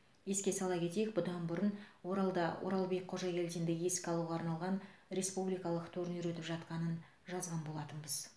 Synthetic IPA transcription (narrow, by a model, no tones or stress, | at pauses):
je̞skʲe̞sɑlˠɑkʲe̞t̪e̞jɪk̚bʊd̪ɑnbʊɾənwo̞ɾɑlˠd̪ɑwʔo̰ɾɑlˠbe̞k̚ʲqʰo̞ʒɑkʲe̞lt̪ind̪ɪɡʲɪeskʲɪɑlˠuʁɑːɾnɑlˠʁɑnɾe̞spublijkɑlˠəqt̪ʰɵɾɪnʏɾet̪ɪpʒɑt̪qɑnən | ʒɑzʁɑnbo̞lˠɑt̪ənbəz